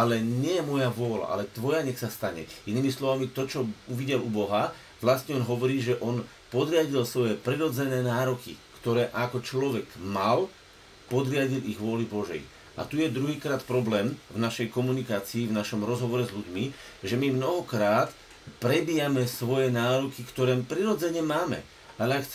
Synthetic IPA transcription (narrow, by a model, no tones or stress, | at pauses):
alɛɲɛjɛmɔjaʋʊɔla̰ʔa̰lɛt̪ʋɔjaɲɛxsast̪aɲɛ̰iniːmislɔʋamit̪ɔt͡ʃɔuʋiɟɛlubɔɦa | ʋlast̪ɲɛɔnɦɔʋɔɾiːʒɛʔɔn | pɔd̪ɾɪaɟilsʋɔjɛpɾɛɾɔd͡zɛnɛːnaːɾɔkḭkt̪ɔɾɛːʔakɔt͡ʃlɔʋɛɡmal | pɔd̪ɾɪaɟiliɣʋʊɔlibɔʒɛ̰j | ʔa̰t̪ujɛd̪ɾuɦiːkɾaːt̪pɾɔblɛːmvnaʃɛjkɔmunikaːt͡siːvnaʃɔmɾɔzɦɔʋɔɾɛzʎuɟmi | ʒɛmimnɔɦɔkɾaːt̪ | pɾɛbiːamɛsʋɔjɛnaːɾɔkikt̪ɔɾɛːmpɾiɾɔd͡zɛɲɛmaːmɛ̰ | alɛaxt͡s